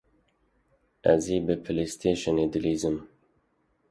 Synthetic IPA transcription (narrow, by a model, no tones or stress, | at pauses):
ɛ̰ziːbɨpʰɨlist̪ʰeːʃɔneːd̪ɨliːzɨm